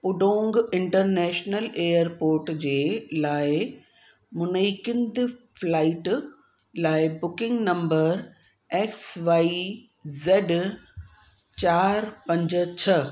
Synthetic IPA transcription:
pʊɖõːŋɡɪ̃ɳʈəɾnɛːʃnəleːjəɾpoːɾʈd͡ʑeːlaːɪ | mʊnəikɪ̃nd̪flaːɪʈ | laːɪbʊkɪ̃ŋɡnɐ̃mbəɾ | eːksʋaːi | zeːɖ | t͡ɕaːɾpɐ̃ɲd͡ʑt͡ɕʰɐ

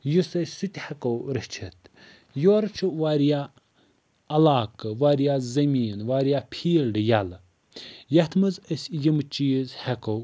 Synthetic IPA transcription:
jusɐsut̪ʲhekowɾɨht͡ʃʰɐt̪ʰ | joːɾɐt͡ʃʰuʋaːɾja | ɐlaːkɨʋaːɾjazɐmʲiːnʋaːɾjapʲʰiːlɖɨjal | jɐt̪ʰmɨzəsʲjimɨt͡ʃiːzhɛkow

